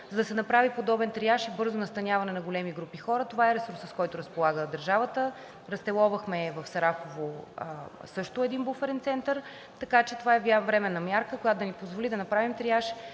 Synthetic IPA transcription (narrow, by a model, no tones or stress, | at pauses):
zɐd̪ɐsɛnɐpɾavipod̪ɔbɛnt̪ɾiaʃibɤɾzonɐst̪ɐnʲjavɐnɛnɐɡolɛmiɡɾupixɔɾət̪ovaɛɾɛsuɾsəskɔjt̪ʊɾɐspolˠaɡəd̪ɐɾʒavət̪ə | ɾɐst̪ɛlˠɔvəxmɛvɐfsɐɾafovo | sɤʃt̪ʊɛd̪inbufɛɾɛnt̪sɛnt̪əɾ | t̪ɐkat͡ʃɛt̪ovaɛvjavɾɛmɛnːɐmʲjaɾkəkojat̪od̪ənipozvolid̪ɐnɐpɾavimt̪ɾiaʃ